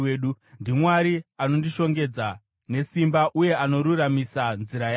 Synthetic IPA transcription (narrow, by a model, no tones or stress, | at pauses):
ɗu | ndimwaɾiano̞ndiʃo̞ŋɡe̞d͡za | ne̞simbaʔuje̞ano̞ɾuramisanziɾaja